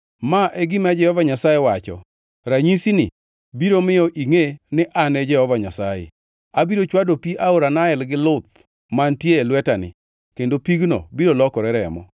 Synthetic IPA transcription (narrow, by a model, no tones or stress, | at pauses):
maʔɛɡɪmad͡ʒɛhɔvaɲasajewat͡ʃɔ̰ | ɾaɲisinɪ̰ | biɾomɪjɔʔiŋenɪʔanɛd͡ʒɛhɔvaɲasajḛ | abiɾot͡ʃwadopiaoɾanaɛlɡɪlʊt̪̚ | mantjeːlwɛtanɪ̰ | kendopiɡno̰biɾolɔkɔɾɛɾɛ̰mɔ̰